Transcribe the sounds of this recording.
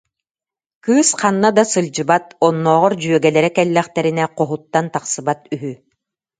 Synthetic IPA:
kɯːsqanːad̪asɯlʲd͡ʑɯbat̪ɔnːɔːʁɔɾd͡ʑyœɡɛlɛɾɛkɛlːɛχt̪ɛɾinɛqɔɦut̪ːant̪aqsɯbat̪yɦy

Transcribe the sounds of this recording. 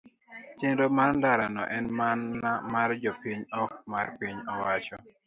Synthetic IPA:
t͡ʃendomandaɾanɔ̰ʔɛnmanamard͡ʒɔpiɲɔk̚marpiɲɔwat͡ʃɔ

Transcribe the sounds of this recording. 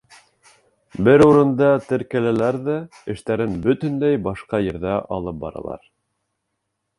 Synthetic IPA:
bɘɾuɾɤ̆nd̪ɑt̪ɘ̆ɾkælælæɾðæ | ɘ̆ʃt̪æɾɘnbɵ̆t̪ɵ̆nd̪æjbɑʃqɑjɘ̆ɾðæʔɑ̰lˠɤp̚bɑ̰ɾɑ̰lˠɑ̰ɾ

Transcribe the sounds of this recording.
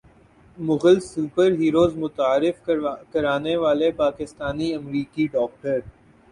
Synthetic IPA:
mʊɣəlsuːpəɾɦiːɾoːzmʊt̪aːɾɪfkɐɾaːneʋaːlepaːkɪst̪aːniɐmɾiːkiɖɔːk̚ʈəɾ

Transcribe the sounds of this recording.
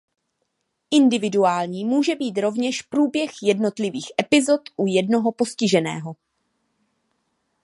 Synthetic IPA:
ʔɪndɪvɪduaːlɲiːmuːʒɛbiːt̪ɾo̞vɲɛʃpɾuːbjɛxjɛdno̞t̪lɪviːxʔɛpɪzo̞t̪ʔujɛdno̞ɦo̞po̞scɪʒɛnɛ̰ːɦo̞

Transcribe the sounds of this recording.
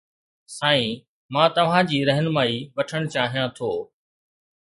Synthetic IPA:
saːĩ | mãːt̪ɐʋ̤ãd͡ʑiːɾɛɦənmaːiːʋɐʈʰəɽ̃t͡ɕaːɦijãt̪ʰoː

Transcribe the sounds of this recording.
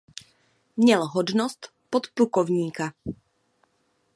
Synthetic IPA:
ɲɛlɦɔd̪nɔst̪ | pɔt̪pɾukɔʊɲiːka

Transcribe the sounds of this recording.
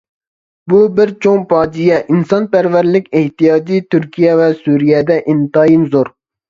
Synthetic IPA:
bubɪɾt͡ʃʰoŋpʰɑːd͡ʒijɛʔinsɑnpæɾvæɾlɪkʲeht̪ijɑːd͡ʒit̪ʰyɾkʲʰijɛvɛsuɾijɛd̪ɛʔint̪ɑːjinzoɾ

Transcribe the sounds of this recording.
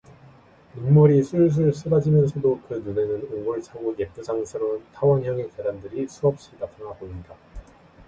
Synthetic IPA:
minmuɾisʰuɭs̬ʰuɭs͈ʰɯbad͡ʑimjʌnsʰʌdokɯnune̞nɯnoŋuɭt͡ɕʰaɡujep͈usaŋsʰɯɾontʰawʌnçjʌŋekedandɯɾisʰuʌp̚ɕ͈idapʰɯŋɦaboinida

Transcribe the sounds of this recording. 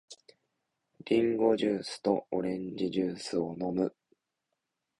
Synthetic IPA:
ɾʲĩŋɡo̞ʑɨːsɨ̥t̪o̞oɾẽ̞ɲd͡ʑiʑɨːsɨono̞mɯ̟

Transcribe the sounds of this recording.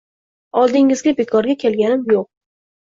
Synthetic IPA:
ɒlˠd̪ɪŋɪzɡʲabekʰɒɾɡʲakʲʰelɡʲanɪmjoq̚

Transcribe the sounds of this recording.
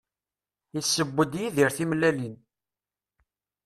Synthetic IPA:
isːəbːəd̪jiðiɾθimlælin

